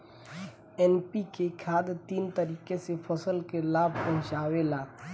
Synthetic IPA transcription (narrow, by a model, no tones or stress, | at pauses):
ɛːnpikekʰaːd̪t̪iːnt̪əɾiːkesepʰɐsəlkelaːbʱpɐ̃ɦʊ̃t͡ʃaːwelaː